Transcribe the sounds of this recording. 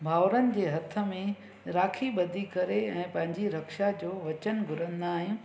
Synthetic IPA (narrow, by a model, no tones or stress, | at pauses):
bʱaːʋɾənɪ̆d͡ʑeːɦɐt̪ʰə̆mẽ | ɾaːkʰiɓɐd̪ʱikɐɾeɛ̃ːpɐ̃ɦɪ̃ɲd͡ʑiɾɐkʃad͡ʑoːʋɐt͡ɕənɡʱʊɾə̃nd̪aːɦɪ̃